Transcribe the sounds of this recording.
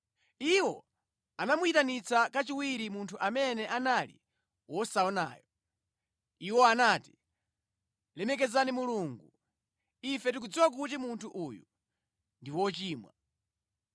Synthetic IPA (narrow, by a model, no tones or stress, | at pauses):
iwɔ | anamuitanit͡sakat͡ʃiwiɾimuntʰuʔamɛnɛʔanalḭ | wɔsaɔna̰ːjɔ | iwɔanaːti̥ | lɛmɛk̬ɛzanimuluːŋɡu | ifɛtik̬ud͡ziwak̬ut̬imuntʰuʔuju | ndiwɔt͡ʃiːmwa̰